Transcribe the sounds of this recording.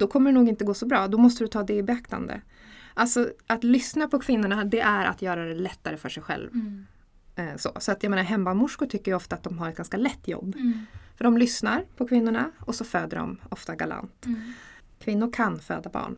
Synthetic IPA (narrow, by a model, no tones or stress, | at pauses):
d̪ɔkʰɔmːəɖɛnuːɡɪnt̪əɡoːsɔbɾɑːd̪ɔmɔst̪əd̪ɵt̪ʰɑːd̪ɛbɛakt̪a̰nd̪ə̰ | ʔalt̪sɔʔat̪lʏsnapʰɔkʰvɪnːʊɳad̪ɛʔæɾʔa̰t̪jœːɾad̪ɛlɛt̪ːaɾəfœʂɛjɧɛ̰lv | so̰ːsɔat̪jameːnaɾɦɛmːamʊʂkʊʈʰʏkːəjɔft̪at̪̚d̪ɔmɦaɾɛt̪̚ɡanskalɛt̪ːjɔ̰bːfœɖɔmlʏsnaɾpʰɔkʰvɪnːʊɳaɔsɔføːd̪əɖɔ̰mɔft̪aɡala̰nt̪ | kʰvɪnːʊɾkʰanfø̰ːd̪abɑ̰ːɳ